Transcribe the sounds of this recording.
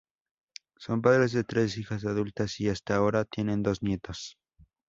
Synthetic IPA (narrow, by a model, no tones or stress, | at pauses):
so̞mp̬aðɾe̞zðe̞t̪ɾe̞sixas̬aðult̪asiast̪ao̞ɾat̪je̞nẽ̞nd̪o̞znje̞t̪os